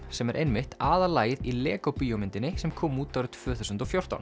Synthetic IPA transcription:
sɛmɛɾʔejnmɪht̪aːðalaːjɪðilɛːkowpiːjɔmɪnt̪ɪnːɪsɛmkʰɔːmuːt̪ːaɾɪt̪t̪ʰvœːθuwsʏnt̪ɔfjowr̥t̪a̰wn

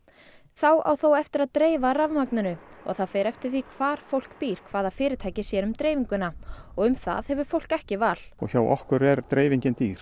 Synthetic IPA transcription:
θawa̰wθowɛft̪ɪɾaðt̪ɾeːjvaravmaknʏnʏɔ̰ɣθaðfɛːɾɛft̪ɪɾ̥θikʰv̥aːɾ̥fowl̥kpiːɾ̥kʰvaːðafɪːɾɪt̪ʰaːjcɪsjɛɾʏmt̪ɾeːjviŋkʏnaɔɣʏmθa̰ðhɛvʏ̥fowl̥kɛhcɪvaːl̥ɔ̰ɣçawʔɔ̰hkʏɾɛɾt̪ɾeːjviɲcɪnt̪iːɾ̥

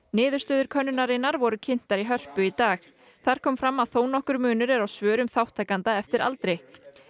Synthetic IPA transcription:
nɪːðʏɾ̥st̪œːðʏɾ̥kʰœnːʏnaɾɪnːaɾvɔɾʏcʰɪn̥t̪aɾiɦœr̥pʏit̪aːx | θaɾ̥kʰɔːmfɾamːaðθoːwnɔhkʏɾmʏːnʏɾɛɾawsvœːɾʏmθawht̪ʰːaːkant̪aɛft̪ɪɾa̰lt̪ɾɪ

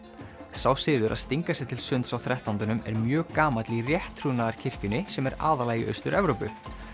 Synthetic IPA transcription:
sawsɪːðʏɾʔa̰ðst̪iŋkasɛt̪ʰɪlsʏnt̪sawθɾɛht̪ant̪ʏnʏmɛ̰ɾmjœːɣkaːmat̪lirjɛht̪ʰːɾunaðaɾ̥cʰɪr̥cʏnɪsɛmɛɾa̰ːðalaːjɣɪʔœ̰ɥst̪ʏɾɛvɾowpʏ

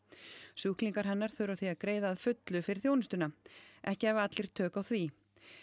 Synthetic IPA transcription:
suhkliŋkaɾ̥ɦɛnːaɾ̥θœɾaθiaðkɾeːjðaːðfʏt̪lʏfɪɾɪɾ̥θjownɪst̪ʏnaʔɛhcɪɛvat̪lɪɾ̥t̪ʰœːkawθvi

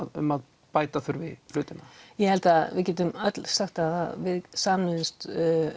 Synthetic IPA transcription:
ʏ̰mað | paːjt̪aθʏɾvɪflʏːt̪ɪnajɛhɛlt̪aðvɪðcɛːt̪̬ʏmœt̪l̥saxt̪aða̰vɪðsaːmnɪnst̪

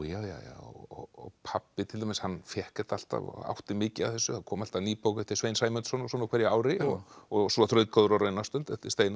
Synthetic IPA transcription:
jaːwja̰wja̰ːɔ̰ɔ̰ɔ̰pʰapːɪt̪ʰɪlamɪshanːfjɛhkḁt̪al̥t̪a̰va̰wht̪ɪmɪːcɪa̰ðθɛsːʏhakʰɔːmal̥t̪aniːpowkt̪ʰːɪsvejnsaːjmʏnt̪sɔnasɔnakʰvɛɾjɪawɾɪɔɣɔsɔθɾœːɥt̪kaðʏɾɔɾœɥnast̪ʏnt̪ɛft̪ɪ̥st̪ejn

